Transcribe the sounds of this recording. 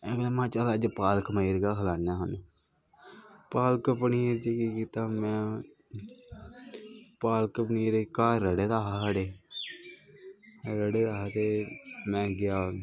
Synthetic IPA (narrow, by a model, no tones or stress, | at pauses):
ɛːɡlamãːt͡ʃalaːd͡ʒpaːlkmaiɾɡaːkəlaːnjaːɦanuː | paːlkəpniːɾt͡ʃekiːkiːt̪aːmɛ̃ː | paːlkəpniːɾekaːɾːəɽeːd̪aːɦasaːɽeː | ɾəɽeːd̪aːɦat̪eːmɛ̃ːɡɪjaː